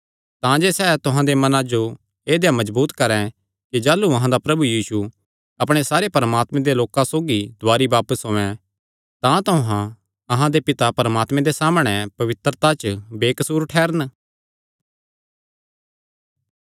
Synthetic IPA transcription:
t̪ãd͡ʒeːsɛːt̪ʊɦãd̪emɐnãd͡ʒo | eːd̪ejãmɐzbuːt̪kɐɾɛ̃ | kid͡ʒaːluɐɦãd̪apɾɐbujiːsu | ɐpɽ̃esaːɾepɐɾəmaːt̪mɛ̃ẽd̪eloːkãsoːɡid̪ʱʊaːɾibaːpəsɦõːɛ̃ | t̪ãt̪ʊɦã | ɐɦãd̪epɪt̪apɐɾəmaːt̪mɛ̃d̪esaːmɽ̃ɛpɐʋɪt̪ɾət̪at͡ʃbeːkɐsuːɾʈʰɛːɾən

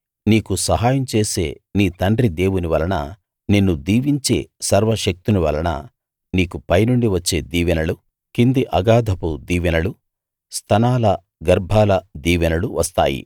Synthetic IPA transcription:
niːkusɐɦaːjɐmt͡ʃe̞ːse̞̰ːniːt̪ɐɳɖɾid̪e̞ːwuniʋɐlɐnɐ̰ | ninːud̪iːʋiɲt͡ʃe̞̰ːsɐɾʋɐʃɐk̚t̪uniʋɐlɐnɐ̰ | niːkupɐjnuɳɖiʋɐt͡ʃːe̞ːd̪iːʋɐnɐɭu | kind̪iʔɐɡaːd̪ʱɐpud̪iːʋɐnɐlu | st̪ʰɐnaːlɐ | ɡɐɾbʱaːlɐd̪iːʋɐnɐluʋʔɐst̪a̰ːjḭ

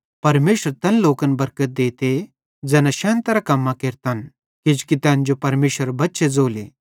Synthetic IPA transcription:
pɐɾmeːʃəɾt̪ɛnloːkənbɐɾkət̪̚d̪eːt̪e | d͡zɛːnaʃɛ̃ːnt̪ɐɾakɐmːakeːɾt̪an | kɪd͡ʒkit̪ɛ̃ːnd͡ʒopɐɾmeːʃəɾbɐtːʃed͡zoːlḛː

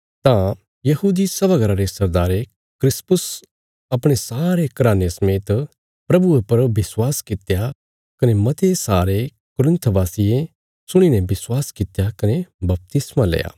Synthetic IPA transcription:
t̪ã | jɐɦuːd̪isɐbaɡəɾaɾesɐɾd̪aːɾe | kɾɪspʊs | ɐpɽ̃esaːɾekɐɾaːnesɐmeːt̪ | pɾɐbuepɐɾbɪswaːskɪt̪ja | kɐnemɐt̪ʰesaːɾe | kʊɾɪ̃nt̪ʰbaːsijẽ | sʊɽ̃inɛbɪswaːskɪt̪jakɐnebɐp̚t̪ɪsmalḛːja̰ː

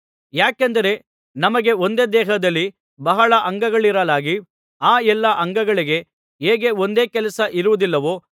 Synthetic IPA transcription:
jaːkend̪ɐɾe̞ | nɐmɐɡe̞o̞nd̪eːd̪ɛːɦɐd̪ɐlːi | bɐɦɐɭɐʔɐŋɡɐɡɐɭiɾɐlaːɡi | aːɛlːɐʔɐŋɡɐɡɐɭiɡe̞ | ɦeːɡe̞o̞nd̪e̞ːkɛlɐsɐʔiɾuʋud̪ilːɐʋoː

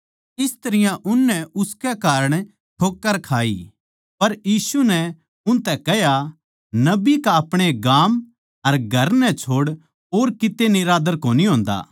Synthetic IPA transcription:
ɪst̪ɐɾɪjãʔʊnːɛʊskɛkaːɾəɽ̃ | ʈʰoːkːəɾkʰaːḭ | pɐɾjiːsunɛ | ʊnt̪ɛkɛɦja | nɐbikaɐpɽ̃eɡaːm | ɐɾɡʱɐɾnɛ̃t͡ʃʰoːɽ | oːɾkɪt̪enɪɾaːd̪əɾkoːniɦõːnd̪a̰ː

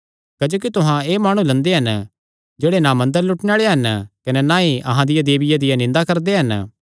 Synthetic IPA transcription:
kɐd͡ʒoːk̬it̪ʊɦãeːmaːɽ̃ũlɐ̃nd̪eɦɐn | d͡ʒeːɽenamɐ̃nd̪əɾlʊʈneaːɭeɦɐnkɐnɛnaiʔɐ̰ɦãd̪ɪjad̪eːbɪjad̪ɪjanɪ̃nd̪akɐɾd̪eɦɐn

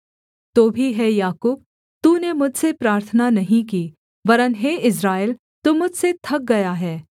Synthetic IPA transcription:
t̪oːbʱiɦɛjaːkuːb̚ | t̪uːnemʊd͡ʒʱsepɾaːɾt̪ʰənanɐɦĩkiː | ʋɐɾənɦeːʔɪs̬ɾaːel | t̪umʊd͡ʒʱset̪ʰɐk̚ɡɐjaɦɛː

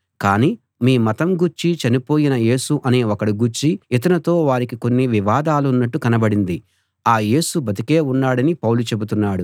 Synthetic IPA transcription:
kaːniː | miːmɐt̪ɐmɡuɾt͡ʃit͡ʃɐnipo̞ːjinɐje̞ːsuʔɐne̞ːokɐɽiɡuɾt͡ʃiit̪̬ɐnɐt̪o̞ːʋaːɾikiko̞nːiʋiʋaːd̪aːlunːɐʈːukɐnɐbɐɽind̪i | aːje̞ːsubɐt̪ike̞ːunːaːɽɐnipɐwlut͡ʃe̞but̪unːaːɽu

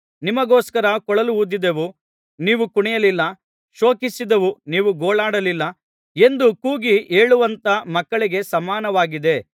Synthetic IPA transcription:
nimɐɡoːskɐɾɐkɔɭɐluud̪id̪eʋu | niːʋukuɳɛjɐlilːɐ | ʃo̞ːkisid̪ɐʋuniːʋuɡoːɭaːɽɐlilːɐ | e̞nd̪ukuːɡie̞ːɭuʋɐnt̪ɐmɐkːɐɭiɡe̞sɐmaːnɐʋaːɡid̪e̞

